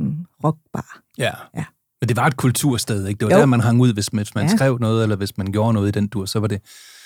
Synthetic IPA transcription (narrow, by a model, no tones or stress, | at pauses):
ʁɒɡ̥̚b̥ɑ̰ː | jæ | d̥e̝ʋɑ̈e̝d̥̚kʰult͡sʰuɐ̰sd̥eð̞ˠe̝ɡ̥̚d̥e̝ʋɑd̥æɐmænɦɑ̈ŋuð̞̰ˠʋe̝smsmænsɡ̥ʁɛʊ̰nɔ̽ːð̞̩ˠelɐʋe̝smænɡ̥jo̝ːɐnɔ̽ːð̞̩ˠid̥end̥uɐ̰sɒ̽ʋɑ̈d̥e̝